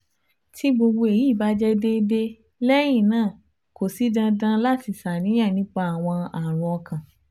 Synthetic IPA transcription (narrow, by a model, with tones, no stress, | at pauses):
ti˦ɡ͡bo˧ɡ͡bo˧e˨ji˨˦˨ba˧˦d͡ʒɛ˦de˦de˦ | lɛ˦j̃ĩ˦˨nãː˦˨ | ko˨si˨˦dã˧dã˦la˦˨ti˧sa˨nĩ˨˦j̃ã˦˨nĩ˦k͡pa˧a˨w̃ɔ̃˧a˨ɾ̃ɔ̃˧kã˨